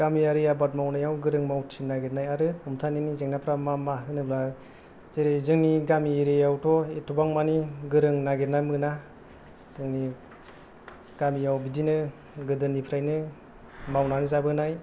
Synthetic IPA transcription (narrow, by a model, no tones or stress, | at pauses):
ɡ̥amijaɾɯjabat̚mawnajawɡɯɾɯŋmawtʰinaɡenajaɾɯumtʰaninizeŋnapʰɾamamaɦɯnɯbla | z̥eɾezɯŋniɡamiːɾejawtʰɔetʰubaŋmaniɡɯɾɯŋnaɡeɾnajmɯna | z̥ɯŋni | ɡamijawbidinɯ | ɡɯdɯnːipʰɾajnɯ | mawnanizabɯnaj